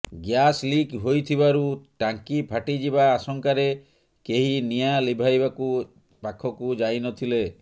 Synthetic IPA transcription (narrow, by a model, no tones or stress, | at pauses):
ɡjaslikɦojt̪ʰibaɾuʈaŋkipʰaʈid͡ʒiβaːsɔŋkaɾe | keɦinijalibʱajbaku | pakʰɔkud͡ʒajnɔt̪ʰile